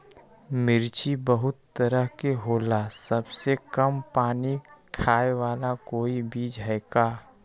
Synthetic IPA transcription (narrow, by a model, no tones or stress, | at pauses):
mɪɾt͡ʃibəɦʊt̪ːəɾəɦkeɦoːlasɐbsekɐmpaːnikʰaːewaːlakoːibiːd͡ʒɦɛːkaː